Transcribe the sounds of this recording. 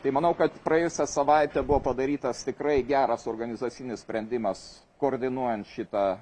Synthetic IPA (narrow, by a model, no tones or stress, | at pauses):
t̪ɐɪmɐnɐʊkɐt̪pɾɐeːjʊsʲɛsɐʋɐɪt̪ʲɛbʊʋoːpɐd̪ɐɾʲiːt̪ɐst̪ʲɪkɾɐɪɡʲæːɾɐsoːrɡɐnʲɪzuːt͡s̪ʲɪnʲɪssʲpʲɾʲɛnʲd̪ʲɪmɐs | koːrʲd̪ʲɪnuɔjɛnt̪ʃʲɪt̪ɐ